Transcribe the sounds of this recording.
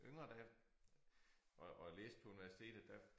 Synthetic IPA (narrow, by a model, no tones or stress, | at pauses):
øŋ̰ɐd̥æ | ɒɒlḛːsd̥pʰɒ̽uniʋæsi̥t͡sʰe̝̰ːd̥əd̥æ